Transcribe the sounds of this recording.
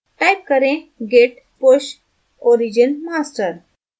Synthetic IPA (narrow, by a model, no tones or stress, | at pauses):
ʈajp̚kəɾẽɡeʈ | poɕ | oɾid͡ʑənmasʈəɾ